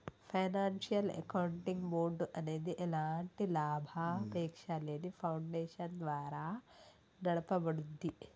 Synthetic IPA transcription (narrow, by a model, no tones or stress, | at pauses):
pʰɐjnaːnʃijɐlḛkɐwɳʈiŋɡmoːɖɐneːd̪iʔelaːɳʈilaːbʱapeːkʂaleːnipʰɐwɳɖeːʃɐnd̪ʋaːɾaː | nɐɽɐpɐbɐɽud̪ːi